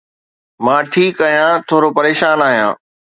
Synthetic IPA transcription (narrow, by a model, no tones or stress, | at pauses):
mãːʈʰiːkaːɦijãt̪ʰoːɾopɐɾeːʃaːnaːɦijã̰ː